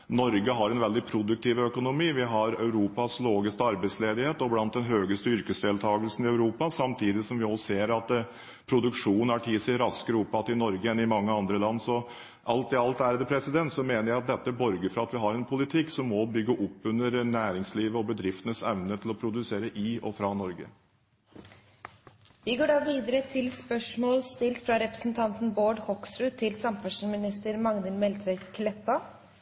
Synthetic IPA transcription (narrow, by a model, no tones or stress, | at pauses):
nɔɾɡəɦɑɾɛnʋɛld̪ɪpʰɾʊd̪ʉk̚t̪ʰiːʋəœkʊnʊmiːʋɪɦɑɾœʉɾuːpɑsloːɡɪst̪əɑɾbæɪt̪sleːd̪ɪheːt̪ɔblɑnt̪̚d̪ɛnɦøːɡəst̪əʏɾkəsd̪eːlt̪ʰɑːɡəlsnɪœʉɾuːpɑsɑmt̪ʰiːd̪ɪsɔmʋɪɔsseːɾɑt̪ | pʰɾʊd̪ʉkʂuːn̩æʈʰiːsɛɾɑskəɾʊpːɑt̪ɪnɔɾɡəɛnɪmɑŋːəɑnd̪ɾəlɑnːsɔ | ʔɑlt̪ɪɑlt̪æːɾɛd̪əpʰɾɛsɪd̪ɛnt̪sɔmeːnəɾjæɪɑt̪̚d̪ɛt̪ːəbɔɾɡəfɾɑɑt̪ʋɪɦɑɾɛnpʰʊlɪt̪ʰɪkːsɔmːɔbʏɡːəʔʊpːʉnːəɾnæːɾɪŋsliːʋəɔbəd̪ɾɪft̪ənəsɛʋnət̪ʰɪlɔpʰɾʊd̪ʉseːɾəʔɪʔɔ̰fɾɑːnɔɾɡə̰ | ʋɪɡoːɖɑːʋiːd̪əɾət̪ʰɪlspœʂmoːlst̪ɪlt̪fɾɑɾɛpɾə̥sn̩t̪ʰɑnt̪n̩boːɖhɔksɾʉːt̪ʰɪlsɑmpʰæʂunmɪnɪst̪əɾmɑŋd̪ɪlmɛlt̪ʰɾɛkʰlɛpːɑ